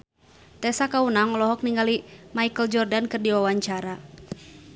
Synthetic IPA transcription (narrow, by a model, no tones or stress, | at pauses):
t̪ɛsakaunaŋɔlɔɦɔk̚niŋɡalimaikəld͡ʒɔrdankɨrdiwawaɲt͡ʃaɾa